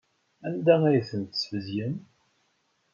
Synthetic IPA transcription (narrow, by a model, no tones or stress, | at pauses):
ænd̪ææjəθənt̪ə̥svəzjən